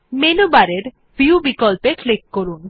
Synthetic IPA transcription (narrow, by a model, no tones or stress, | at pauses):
menobaɾeɾ | biubikɔlpeklikːoɾun